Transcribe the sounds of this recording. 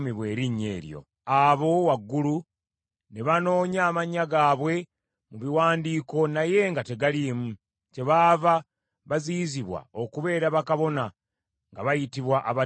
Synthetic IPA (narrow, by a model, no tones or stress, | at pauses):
miβwe̞ːɾiɲːe̞̰ːɾjo̞̰ | aβo̞waɡːulu | ne̞βano̞ːɲaːmaɲaɡaːβwe̞ | muβiwaːndiːko̞naje̞ŋɡate̞ɡaliːmu | ce̞βaːva | βaziziβwa̰o̞kuβe̞ːɾaβakaβo̞na | ŋɡaβajitiβwaʔaβa